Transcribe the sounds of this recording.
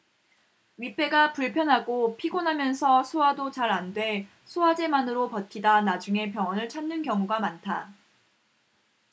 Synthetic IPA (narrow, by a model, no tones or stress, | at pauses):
ɥip͈e̞ɡapuɭpʰjʌnɦaɡopʰiɡonɦamjʌnsʰʌsʰuadot͡ɕaɾandwe̞ | sʰuad͡ʑe̞manɯɾopʌtʰidanad͡ʑuŋe̞pjʌŋʌnɯɭt͡ɕʰanːɯnkjʌŋuɡamantʰa